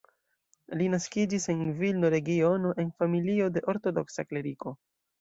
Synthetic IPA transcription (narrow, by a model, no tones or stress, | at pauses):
linaskid͡ʒise̞nvilnoɾe̞ɡio̞no̞ʔe̞nfamilio̞de̞ʔo̞ɾto̞do̞ksakle̞ɾiko̞